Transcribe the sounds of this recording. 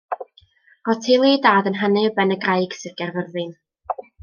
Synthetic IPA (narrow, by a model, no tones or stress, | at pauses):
rɔtʰelˠidaːdənɦanɨəbɛnəɡrajɡ̥sɨrɡɛrvərðɨn